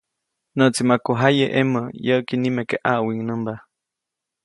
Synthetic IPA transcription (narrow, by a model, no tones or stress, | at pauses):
nəʔt͡simakoɦajeʔeməjəʔkinimekeʔaʔwiŋnəmba